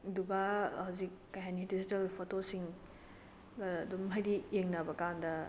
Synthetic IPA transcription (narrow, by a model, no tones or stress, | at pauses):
dubahɐwzikːɐjɦanidizitɐlpʰotosiŋ | ɡɐːdumɦɐjɾijeŋnɐbɐkandɐ